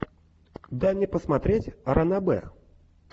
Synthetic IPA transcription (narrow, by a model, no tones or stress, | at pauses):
d̪ajmnʲepəsmɐt̪ɾʲetʲɐɾʔanabɛ̰